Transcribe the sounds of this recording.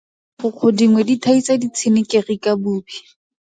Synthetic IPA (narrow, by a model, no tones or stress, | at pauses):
χʊq͡χʰodiŋwɛditʰait͡sadit͡sʰɪnɪkerikabuːbi